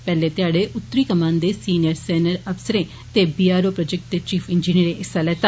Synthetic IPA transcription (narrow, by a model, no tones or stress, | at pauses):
pɛːleːt̪ɪaːɽeːʊt̪ːəɾiːkəmãːnd̪eːsiːnɪjəɾsɛːnəɾəfsəɾẽː | t̪eːbiːaːɾoːpɾoːd͡ʒɛk̚ʈ̚d̪eːt͡ʃiːpʰɪnd͡ʒiːniəɾẽːʔɪsːaːlɛːt̪a